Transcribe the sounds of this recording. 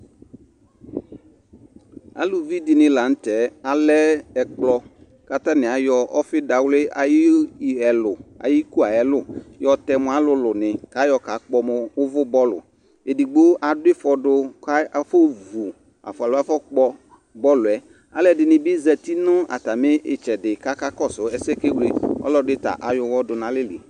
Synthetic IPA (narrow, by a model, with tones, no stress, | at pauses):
a̰˦lʊ˨vi˦dɪ˨nɪ̃˨la˨n̩˦tɛ˨˦a˨lɛ˦ɛ˨k͡plɔ˦ | ka˨t̪a˦nɪ̃˨a˨jɔ˦ɔ˦fɪ˦da˨wlɪ˦ʔa˨jɪ˦˨˦ɛ˨lʊ˨a̰˨ji˦ku˦a˨ɛ˨lʊ˦jɔ˨t̪ɛ˨mʊ̃˨˦a˦lʊ˦lʊ˨nɪ̃˨ka˨˦jɔ˨ka˨k͡pɔ˦mʊ˨wʊ˦vʊ˦bɔ˦lʊ̰˨ | e˨di˨ɡ͡bo˦ʔa˨dʊ˦ɪ˦fɔ˨dʊ˧ka˦fo˦vu˨ | a̰˨fʊ˨a˨lʊ˦a˦fɔ˦k͡pɔ˧ | bɔ˦lʊ˨ɛ˨ | a˦lɛ˨dɪ˨nɪ̃˨bɪ˦zɛ˨t̪i˦nʊ̃˦a̰˨ta˨mɪ˦ʔɪ˨t͡ʃɛ˨dɪ˨ka˦ka˦kɔ˦˨sʊ˨˦ɛ˨sɛ˦˨ke˦wle˦ɔ̰˦lɔ˦dɪ˦ta̰˨ʔa˨jʊ˧wɔ˦dʊ˨nã˨lɪ˦li˨